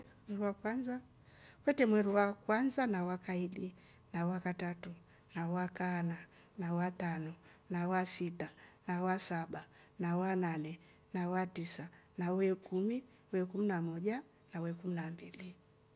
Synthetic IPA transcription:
ɛɾuwakwanza | kwɛtɛmwɛɾuwakwanzanawakaili | nawakatatu | nawakana | nawatanɔnawasitanawasaɓa | nawananɛ | nawatisanawɛkumi | wɛkuminamɔʄa | nawɛkuminambili

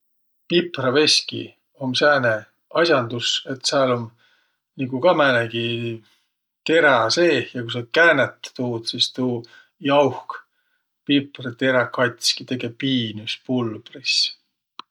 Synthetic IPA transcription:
piprɑve̞sʲkḭ | omsæːne | ɑsʲjɑnd̪use̞t̪ːsɑlom | niɡukɑmæneɡi | t̪e̞ɾɑse̞ːhjɑkus̬ɑt̪̚kæːnet̪ːt̪uːd̪̥sist̪uː | jɑwhk | piprt̪eɾɑkɑt̪ʲskit̪e̞ɡepiːnyspulb̥ris

